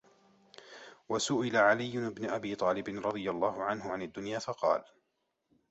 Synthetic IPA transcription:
wasʊʔɪlaʕalɪjːʊʔɪbnʊʔabiːt̪ˤɑːlɪbɪnɾˤɑd̪ˤɨjalˤːɑːhʊʕanɦʊʕanad̪ːʊnjaːfɑqɑ̰ːl

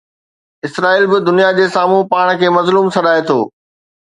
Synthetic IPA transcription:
ɪsɾaːiːlbɪd̪ʊnijad͡ʑeːsaːmũpaːɽ̃kʰeːmɐzluːmsɐɗaːet̪ʰoː

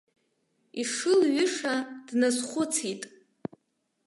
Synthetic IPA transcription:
iʂɨlɥʏʂad̥nazχʷʊt͡sʰitʼ

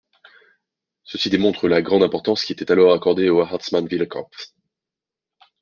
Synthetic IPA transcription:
səsid̪emɔ̃t̪χəlaɡʁɑ̃d̪ɛ̃pɔʁt̪ɑ̃skʲiet̪ɛt̪alɔʁakɔʁd̪eoaɦat̪smanvilkʰɑ̰̃p

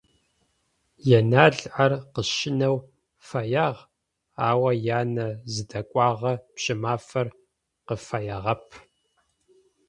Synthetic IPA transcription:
jɛnaːɮʕɐrqəʃɪnɐw | fɐjaːʁ | aːwɐjaːnɐzɨdɐkʷʼɑːʁɐpɕʼɪmaːfɐr | qəfajɐʁɐpʰ

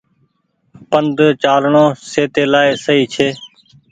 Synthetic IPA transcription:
pənd̪ʱt͡ʃaːlɳõːseːt̪eːlaːeːsəɦiːt͡ʃʰeː

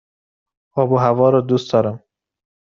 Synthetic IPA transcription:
ɒbuɦavɒːɾɒd̪ustd̪ɒːɾæm

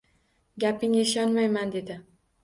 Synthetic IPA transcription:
ɡʲapɪŋɪʃɒnmajmand̪e̞d̪ɪ

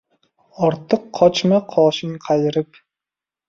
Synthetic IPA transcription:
ɑɾt̪ʰːəqʰːɑt͡ʃmɨqʰɑːʃɪŋqʰɑjɪɾɨp

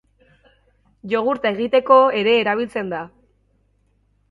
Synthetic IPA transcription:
ʎo̞ɣuɾt̪ae̞ɣ̞it̪e̞ko̞e̞ɾe̞ːɾaβ̞ilt͡se̞nd̪a

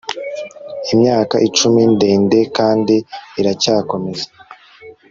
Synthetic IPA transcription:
imɲaːkaʔit͡ʃuminde̞ːnde̞kaːndiːɾacaːko̞me̞za

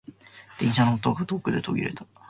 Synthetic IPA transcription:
d̪̥ẽ̞ɰ̃ɕanoot̪oɡat̪okːɯ̟d̪e̞t̪o̞̰ɡʲḭɾe̞t̪ḁ

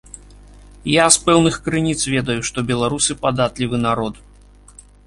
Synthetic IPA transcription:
jaspɛwnɨxkɾɨnʲit̪svʲɛd̪ɐjuʂt̪ɔbʲɛlˠaɾusɨpad̪at̪lʲivɨnaɾɔt̪

